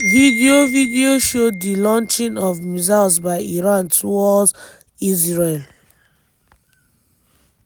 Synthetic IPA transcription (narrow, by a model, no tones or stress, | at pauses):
vidiovidioʃodilɔ̃nt͡ʃĩnɔvmizalsbaɪiɹãntʰuwɔd | isɹel